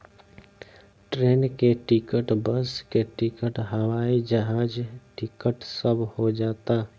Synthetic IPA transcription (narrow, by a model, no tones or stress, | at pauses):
ʈɾeːnkeʈɪkəʈbəskeʈɪkəʈɦəʋaːid͡ʒəɦãːd͡ʒʈɪkəʈsəbʱhod͡ʒaːt̪aː